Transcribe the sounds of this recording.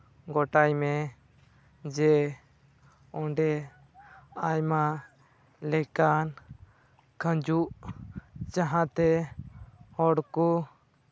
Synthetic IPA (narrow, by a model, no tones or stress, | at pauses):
ɡɔʈajmɛ | d͡ʒɛ | ɔ̃ɳɖɛ | ajma | lɛkan | kʰə̃d͡ʒuʔ | t͡ʃaɦãt̪ɛ | hɔɽku